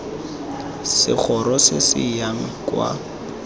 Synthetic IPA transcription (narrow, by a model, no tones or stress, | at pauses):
sɪ̰k͡xʰɔɾɔsɪsɪ̰jaŋ̩kwa̰